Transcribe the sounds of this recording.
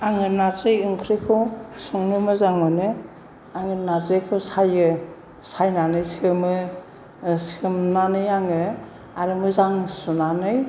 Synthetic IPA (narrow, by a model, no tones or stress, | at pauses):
aŋɯnazɯjɯŋkʰɾikʰɯwsɔŋnɯmɯzaŋmanɯ | aŋɯnaɾzejkʰɯwsajɯ | sajnanɯjsiɯmɯ | siɯmnanɯjaŋɯ | aɾɯmɯzaŋsunanɯj